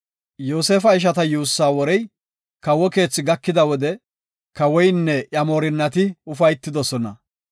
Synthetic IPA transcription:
jo̞ːseːfɐɪʃ̬ɐt̪ɐjuːsːaːwɔɾɛj | kɐwɔke̞ːt͡sːɪɡɐkːɪd̪ɐwɔd̪ɛ | kɐwɔjnːɛʔjɐmoːɾɪnːɐt̪ɪʊfɐjt̪ːɪd̪ɔsɔnɐ

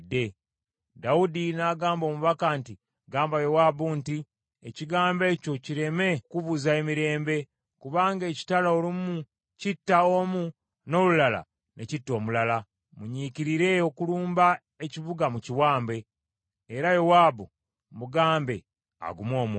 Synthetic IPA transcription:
de̞ | daudinaːɡaːmbo̞ːmuβakanti | ɡaːmbajo̞waːbunti | eciɡaːmbe̞ːco̞ciɾe̞me̞kuβuzae̞miɾe̞ːmbe̞ | kuβaːŋɡe̞ːci̥talaolimu | citːaomu | no̞lulala̰ | necitːo̞ːmulala | muɲiciɾiɾe̞o̞kuluːmba | e̞ciβuɡamuciwaːmbe̞ː | ɾajowaːbu | muɡaːmbe̞ | a̰ɡumo̞ːmu

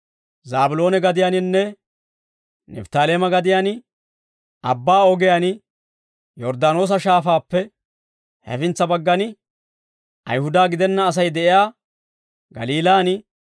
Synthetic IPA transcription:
zaːbʊlo̞ːnɛɡɐd̪ɪjanɪnːɛ | nɛ̰ft̪aːleːmɐɡɐd̪ɪjaːn | ɐbːaːɔɡɪjanɪ | jɔɾd̪aːno̞ːs̬ɐʃaːfaːpːɛ | hɐ̰fɪnt͡sːɐbɐɡːɐnɪ | ʔɐ̰jhʊd̪aːɡɪd̪ɛnːɐːs̬ɐjd̪ɛʔɪjaː | ɡɐ̰liːlaːnɪ

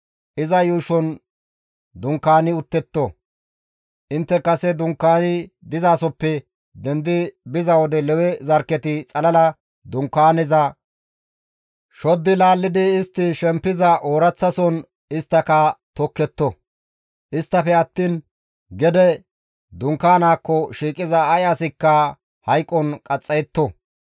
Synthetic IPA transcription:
ʔɪzɐjuːʃɔn | d̪ʊŋkːaːnɪʊt̪ːɛt̪ːɔ | ʔɪnt̪ːɛkɐsɛd̪ʊŋkːaːnɪ | d̪ɪzaːsɔpːɛ | d̪ɛnd̪ɪbɪzɐwɔd̪ɛlɛwɛzɐɾkːɛt̪ɪt͡sʼɐlɐlɐ | d̪ʊŋkːaːnɪzɐ | ʃɔd̪ːɪlaːlːɪd̪ɪːst̪ːɪʃɛmpːɪzɐʔoːɾɐt͡sːɐsɔn | ɪst̪ːɐkɐt̪ɔkːɛt̪ːɔ | ʔɪst̪ːɐfɛɐt̪ːiːn | ɡɛd̪ɛ | d̪ʊŋkːaːnaːkːɔʃiːkʼɪzɐːjaːsɪkːɐ | hɐjkʼːɔnkʼɐt͡sʼːɐjɛt̪ːɔ

